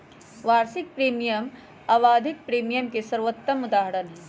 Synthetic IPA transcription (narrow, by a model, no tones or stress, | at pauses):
ʋaːɾsɪk̚pɾiːmijəm | aːʋaːd̪ʱɪk̚pɾiːmijəmkesɐɾʋət̪ːəmʊd̪aːɦəɾənɦɛ̃ː